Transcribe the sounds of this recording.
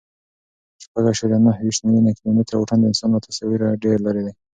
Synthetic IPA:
ʃpaɡaʃɑɾjanahwiʃt̪mawinakɪlomɪt̪ɾawuʈand̪əɪnsɑnlat̪ʰasɑwiɾaɖeɾlaɾed̪a

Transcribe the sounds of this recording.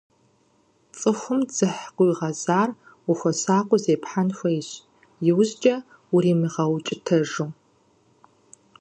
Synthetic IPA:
t͡sʼɨxʷʊmd͡z̥ɨħqʷʊiʁɐzaːr | uxʷɐsaːqʷʊzeːpħanxʷɐɪɕ | jɪwʑd͡ʒʼɐ | uɾiːmɨʁɐwt͡ʃʼɪtʰɐʒuː

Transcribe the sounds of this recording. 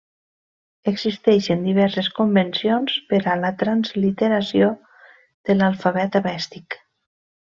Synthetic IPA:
əɡzist̪ɛʃend̪iβ̞ɛɾseskombensionspeɾalat̪ɾanzlit̪eɾasio | ð̥əlalˠfaβɛt̪aβɛst̪ik

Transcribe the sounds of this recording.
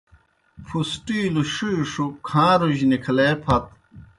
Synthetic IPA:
fʰusʈiːluʂujʂukʰãːɾuʑnikʰleːpʰɐt̪̚

